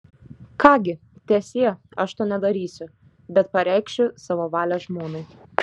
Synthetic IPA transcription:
kɑːɡʲɪ | t̪ʲɛːsʲiːɛɐʃt̪oːnʲɛd̪ɐɾʲiːsʲʊ | bʲɛt̪pɐɾʲɛɪkʃʲʊsɑːʋoːʋɑːlʲɛʒmoːnɐɪ

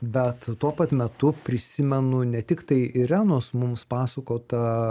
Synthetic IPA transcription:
bʲɛt̪t̪uɔpɐt̪mʲɛt̪ʊpʲɾʲɪsʲɪmʲɛnʊnʲɛt̪ʲɪkt̪ɐɪʔɪɾʲæːnoːsmʊmspɑːsɐkoːt̪ɐ

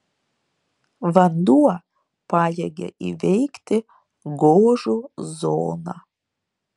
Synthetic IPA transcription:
ʋɐnd̪uɔ | pɑːjɛɡʲḛʔḭʋʲɛjkt̪ʲɪ | ɡoːʒuzoːna

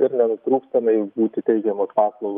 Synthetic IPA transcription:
ɪɾnʲɛnʊt̪ɾuːkst̪ɐnɐɪbuːt̪ʲɪt̪ʲɛɪɡʲɛmoːspɑːslˠɐʊɡ

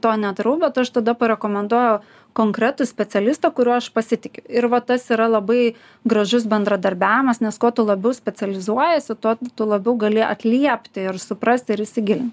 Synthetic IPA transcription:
t̪oːnʲɛt̪ɾɐʊbʲɛt̪ɐʃt̪ɐd̪ɐpɐɾʲɛkoːmʲɛnd̪uɔjɛʊ | koːŋkɾʲæt̪ʊsʲpʲɛt͡s̪ʲɛlʲɪst̪ukʊɾʲuɐʃpɐsʲɪt̪ʲɪkʲʊɪɾʋɐt̪ɐsiɾɐlˠɐbɐɪ | ɡɾɐʒʊs̬bʲɛnd̪ɾɐd̪ɐɾʲbʲæːʋʲɪmɐsnʲɛskoːt̪ʊlˠɐbʲɛʊsʲpʲɛt͡s̪ʲɛlʲɪzuɔjɛsʲɪt̪ot̪ʊlˠɐbʲɛʊɡɐlʲɪʔɐ̰t̪ʲlʲiɛpʲt̪ʲɪɪɾsʊpɾɐsʲt̪ʲɪɾɪʃʲsʲɪɡʲɪlʲɪnʲt̪ʲ

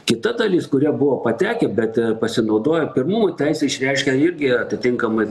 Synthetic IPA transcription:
kʲɪt̪ɐd̪ɐlʲiːskʊɾʲiɛbʊʋoːpɐt̪ʲæːkʲɛbʲɛt̪pɐsʲɪnɐʊd̪oːjɛpʲɪrmʊmot̪ʲæɪsʲɛɪʃʲɾʲɛɪʃʲkʲɛɪɾʲɡʲɪɐt̪ʲɪt̪ʲɪŋkɐmɐɪ

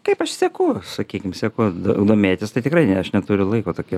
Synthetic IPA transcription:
kɐɪpɐʃsʲɛkʊsɐkʲiːkʲɪmsʲɛkʊd̪od̪oːmʲeːt̪ʲɪst̪ɐɪt̪ʲɪkrɐɪnʲɛɐʃnʲɛt̪ʊɾʲʊlˠɐɪkoːt̪oːkʲi

